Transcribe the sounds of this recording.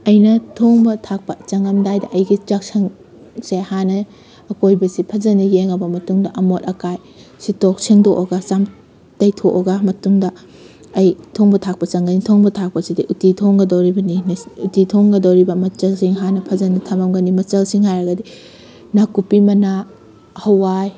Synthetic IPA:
ɐjnɐtʰoŋbɐtʰak̚pɐt͡ʃɐŋɐmdajdɐʔɐjɡit͡ʃak̚sɐŋ | sehanɐː | kojbɐsipʰɐzɐnɐjeŋɐbɐmɐtuŋdɐʔɐmot̚ɐkaj | sitok̚siŋdoʔoɡasam | tɐjtʰoʔoɡamɐtuŋdɐː | jtʰoŋbɐtʰak̚pɐt͡ʃɐŋɡɐnitʰoŋbɐtʰak̚pɐsidiʔutitʰoŋɡɐdɐwɾibɐninutitʰoŋɡɐdɐwɾibɐmɐt͡ʃɐlsiŋɦanɐpʰɐzɐnɐtʰɐmɐmɡɐnimɐt͡ʃɐlsiŋhajɾɐɡɐdi | nakupimɐna | hɐwaj

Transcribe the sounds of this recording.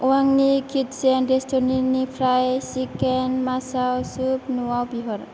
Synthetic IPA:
waŋniɡʰit̪sɛnɾest̪oninifʰɾajsikɛnmasawsup̚nuwawbiɦɔɾ

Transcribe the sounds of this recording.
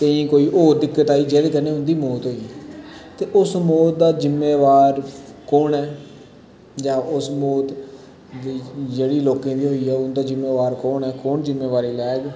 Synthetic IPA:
t̪əĩːkoːiːʔoːd̪ɪkːət̪aːiːd͡ʒeːlekəneːɦʊ̃nd̪iːmoːt̪ɦoːiːt̪eːʔʊsmoːt̪̚d̪aːd͡ʒɪmːeːʋaːɾkoːɳɛː | d͡ʒãːʔʊsmoːt̪ː | d͡ʒeːɽiːloːkẽːd̪iːɦoːiːɛːʊnd̪aːd͡ʒɪmːeːʋaːɾkoːnɛːkoːɳd͡ʒɪmːeːʋaːɾiːlɛːɡ

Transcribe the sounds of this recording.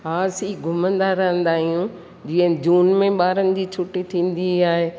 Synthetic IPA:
ɦaːsiɡʱʊmə̃nd̪aɾɐɦə̃nd̪aːɦijũ | d͡ʑiːə̃d͡ʑuːnmẽɓaːɾənɪ̆d͡ʑiːt͡ɕʰʊʈːit̪ʰĩːn̆d̪iaːɦeː

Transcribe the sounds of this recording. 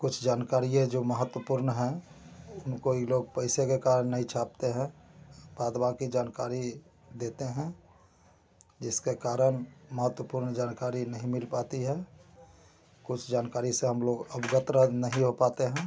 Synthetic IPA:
kʊt͡ʃʰd͡ʒaːnkaːɾiẽd͡ʒoməɦət̪wəpuɾnɦɛ̃ʊnkoiloɡ̚pəɪsekekaɾənːəɦĩt͡ʃʰap̚t̪eɦɛ̃baːd̪bãkid͡ʒaːnkaɾi | d̪et̪eɦɛ̃ | d͡ʒɪskekaːɾənməɦət̪wəpuɾnd͡ʒaːnkaɾinəɦĩmɪlpat̪iɦɛ | kʊt͡ʃʰd͡ʒaːnkaːɾiseɦəmloɡəbɡət̪ɾanəɦĩɦopat̪eɦɛ̃

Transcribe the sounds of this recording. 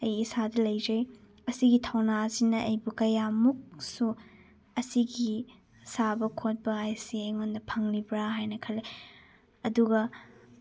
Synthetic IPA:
ɐjisadɐlɐjd͡ʒɐj | ɐsiɡitʰɐwnasinɐʔɐjbukɐjamuk̚su | ɐsiɡi | sabɐkʰot̚bɐajsiejŋondɐpʰɐŋlibɾaɦajnɐkʰɐle | ɐduɡɐ

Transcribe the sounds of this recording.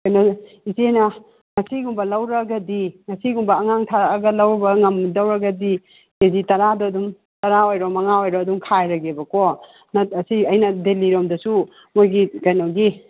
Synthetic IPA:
kɐjno | izenɐ | ŋɐsiɡumbɐlɐwɾɐɡɐdiŋɐsiɡumbɐːŋaŋtʰaːɡɐlɐwbɐŋɐmdɐwɾɐɡɐdi | kezitɐɾadɔɐdum | tɐɾaojɾɔmɐŋaojɾɔdumkʰajɾɐɡebɐkɔ | nɐɐsiɐjnɐdeliɾɔmdɐsu | mojɡikɐjnɔɡi

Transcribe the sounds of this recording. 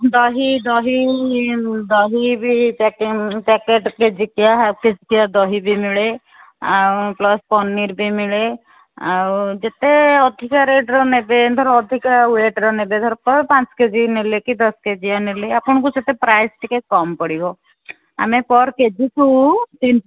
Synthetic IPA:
d̪ɔɦid̪ɔɦi | d̪ɔɦibʱipekpɛkeʈked͡ʒikiaɦked͡ʒikiad̪ɔɦibʱimiɭe | awplɔspɔnːiɾbʱimiɭe | a̰d͡ʒet̪eɔd̪ʱikaɾeɖɾɔnebed̪ʱɔɾɔːd̪ʱikaweʈɾɔnebed̪ʱɔɾɔpɔɾpãt͡ʃked͡ʒinelekid̪ɔsked͡ʒianeleapɔɽ̃kut͡ʃet̪epɾajsʈikekɔmpɔɽibɔ | a̰mepɔɾked͡ʒikut̪in

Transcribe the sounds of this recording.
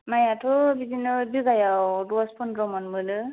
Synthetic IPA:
majatʰɔbibʱinɔɹbiɡajawduaspʰɔndɹɔmɔnmulɯ

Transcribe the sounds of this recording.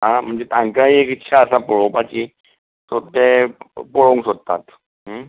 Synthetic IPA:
ɦãm̤əɳd͡zet̪ãŋkaɦiekit̪ːɕʰaəsapɔɭowpat͡ɕi | t̪ot̪epoɭoŋksod̪̚t̪a̰t̪ | ɦə

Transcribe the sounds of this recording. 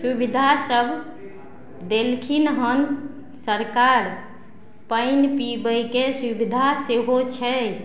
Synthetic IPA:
subid̪ʱasəbʱ | d̪elkʰinɦən | səɾkaɾ | pəɪnpibəjkesubid̪ʱaseɦot͡ʃʰɛ

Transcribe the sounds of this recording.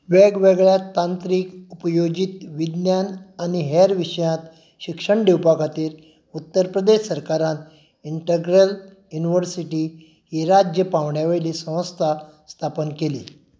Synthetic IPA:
ʋeɡʋeɡɭjat̪ãnt̪ɾiːkupəjod͡ʑit̪ʋid̪njananiɦeɾʋiʂəjãt̪ | ɕikʂəɳɖewpakʰat̪iːɾ | ut̪ːəɾpɾəd̪eɕsəɾkaɾãnt̪ | iɳʈəɡɾəl | juniʋəɾsiʈi | ɦiɾad͡ʑjəpaʋɳjaʋeɭliːsə̃w̃st̪ʰast̪ʰapənkelḭː

